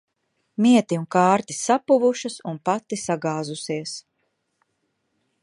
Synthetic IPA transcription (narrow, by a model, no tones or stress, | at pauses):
miɛt̪iunkaːɾt̪ʲi̥sːapuvuʃɨsunpat̪ːisaɡaːzusiɛs